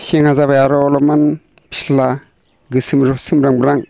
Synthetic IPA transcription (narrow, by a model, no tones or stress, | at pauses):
seŋhazaβajaɾɔːlɔman | pʰi̥sla | ɡɯsɯmɾɔsɯmɾaŋbɯɾaŋ